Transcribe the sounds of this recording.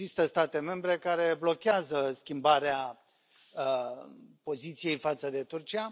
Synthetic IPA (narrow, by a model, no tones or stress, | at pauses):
ist̪əst̪at̪e̞me̞mbɾe̞kaɾe̞blo̞kʲeazəskʲimbaɾea | po̞zit̪sije̞jfat̪səd̪e̞t̪urt͡ʃia